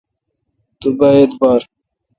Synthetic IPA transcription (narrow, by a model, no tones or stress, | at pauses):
t̪ubaet̪baːɾ